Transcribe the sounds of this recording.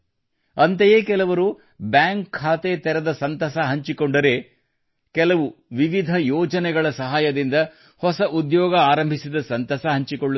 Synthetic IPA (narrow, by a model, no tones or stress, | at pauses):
ɐnt̪ejeːkɛlɐʋɐɾu | bjaːŋkʰːaːt̪et̪ɛɾɐd̪ɐsɐnt̪ɐsɐɦɐɲt͡ʃikoɳɖɐɾe̞ | kɛlɐʋuʋiʋid̪ʱɐjɔːd͡ʒɐnɛɡɐɭɐsɐɦaːjɐd̪ind̪ɐ | hɔsɐʔud̪jɔːɡɐaːɾɐmbʱisid̪ɐsɐnt̪ɐsɐɦɐɲt͡ʃikoɭːu